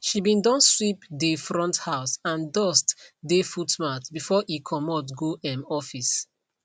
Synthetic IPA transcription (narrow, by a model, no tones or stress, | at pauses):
ʃibĩndɔ̃nswipdefɹɔ̃nthaʊsãndɔstdefutmatbifɔʔikʰɔmɔtɡoʔɛmɔfis